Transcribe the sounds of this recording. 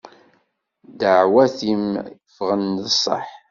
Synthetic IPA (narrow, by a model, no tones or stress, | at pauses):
d̪əʕwæθimfʁənðəsˤːɑ̰ħ